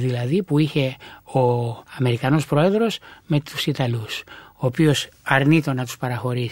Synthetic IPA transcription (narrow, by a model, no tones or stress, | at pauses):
ðilɐðipuiçe̞o̞ɐme̞ɾikɐno̞spɾo̞e̞ðɾo̞sme̞t̪u̥sit̪ɐlusoːpio̞sɐɾnit̪o̞nɐt̪u̥spɐɾɐxo̞ɾis